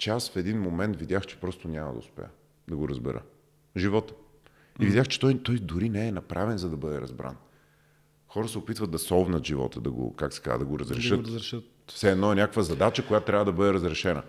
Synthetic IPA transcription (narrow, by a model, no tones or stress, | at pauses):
t͡ʃɛasfɛd̪inmomɛnt̪vid̪ʲjaxt͡ʃɛ̥pɾɔst̪onʲamə̰d̪ɐ̰ʊ̰spɛ̰jə̰ | d̪ɐɡoɾəzbɛ̰ɾə̰ | ʒivɔt̪ə̥ | ivid̪ʲjaxt͡ʃɛ̥t̪ɔjt̪ɔjd̪ʊɾinɛːnɐpɾʔavɛnzɐd̪ɐbɤd̪ɛɾɐ̰zbɾʔa̰n | xɔɾəsɛopit̪vəd̪ɐsɔvnət̪ʒivɔ̰t̪əd̪ɐɡo̰kaksɛ̥ka̰zə̰d̪ɐɡoɾɐzɾɛʃɤt̪ | fsɛɛd̪nɔɛnʲakəkvəzɐd̪at͡ʃəkojat̪t̪ːɾʲavəd̪ɐbɤd̪ɛɾəzɾɛʃɛnə̰